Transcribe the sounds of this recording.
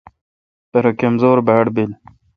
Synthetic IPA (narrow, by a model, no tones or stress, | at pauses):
peɾɐkemzoːɾbæːɽbil